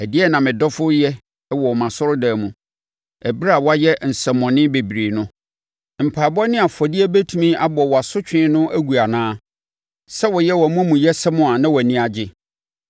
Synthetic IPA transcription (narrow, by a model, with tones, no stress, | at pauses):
æ˨dɪ˦ɛ˦nã˨mɪ̃˨dɔ˦fʊ˦jɛ˦ | wɔ˨ɔ˨mã˨sʊ˦ɾʊ˦dæː˨mũ˨ | æ˨bi˦ɾa˨wa˦jɛ˦n̩˨sɛ˨mːɔ̃˨nɪ̃˦be˨bi˨ɾiː˨nʊ̃˦ | m̩˨pʰaː˨bɔ˦nɪ̃˦a˨fɔ˨dɪ˦ɛ˦bæ˦tʰũ˨mĩ˦a˦bɔ˨wɔ˨a˨sʊ˦t͡ɕᶣɪ̃˦nʊ̃˦ʔæ˦ɡu˨a˨nãː˦ | sɛ˦wɔ˨jɛ˦wɔ˨mũ˦mũ˨jɛ˦sɛ˦mʊ̃˦a˨nã˦wɔ˨æ˨nĩ˦a˨d͡ʑɪ˦